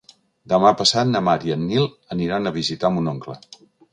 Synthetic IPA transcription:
d̪əmapəsat̪nəmaɾjənːilˠ | əniɾanəβizit̪amunoŋklə̰

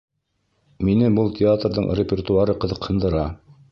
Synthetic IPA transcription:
minɘbulˠt̪ʲɪat̪rðɤ̰ɴɾʲɪpʲert̪uaɾɤqɤ̆ðɤ̆qhɤ̆nd̪ɤ̆ɾɑ

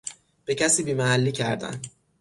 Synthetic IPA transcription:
b̥e̞cʰæsiːbiːmæhælːiːcʰæɾd̪æ̰n

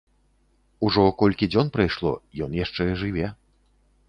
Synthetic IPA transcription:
uʐɔkɔlʲkʲid͡zʲɔnpɾajʂlˠɔ̰jɔnjaʂt͡ʂɛʐɨvʲɛ

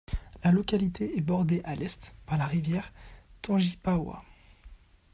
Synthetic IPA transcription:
lalɔkʲalit̪ʰeɛbɔʁd̪eʔalɛst̪paʁlaʁivjɛʁt̪ɔ̃ʒipawa̰

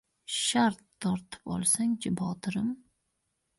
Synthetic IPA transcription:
ʃaɾt̪ʰːɒɾt̪ʰɪ̥pɒ̰lˠsaŋd͡ʒɪbɒt̪ʰɾɪm

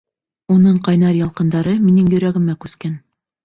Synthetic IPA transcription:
unɤɴqɑjnɑɾjɑlˠqɤ̆nd̪ɑɾɤminɘŋjɵ̆ɾæɡɘ̆mækʉskæn

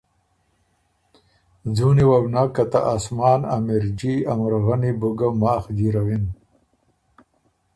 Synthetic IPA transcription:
d͡zuniwabnakat̪a̰ʔasmɑːna̰miɾd͡ʒiamɾɣanibuɡamaːxd̪iɾawin

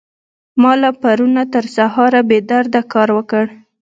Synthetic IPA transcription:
mɑlapaɾunat̪əɾsahɑɾabed̪aɾd̪akɑɾwəkəɽ

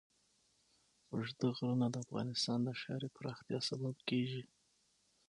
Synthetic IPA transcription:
ʒd̪aɣɾunad̪əafɣɑ̰nɪst̪ɑnd̪əʃɑ̰ɾepɾɑxt̪jɑsalobkeʒi

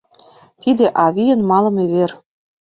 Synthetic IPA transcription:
t̪id̪ĕʔɑβijə̆nmɑlɤ̆meβer

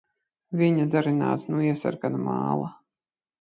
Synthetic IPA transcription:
vʲiɲad̪aɾina̰ːt̪snuiɛsa̰ɾɡanmɑ̰ːlˠa

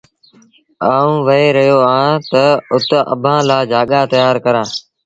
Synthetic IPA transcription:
aːũːʋəɦeːɾəɦjoːãt̪əʊt̪ə̰bʱãːlaːd͡ʒaːɠaːt̪əjaːɾkəɾãː

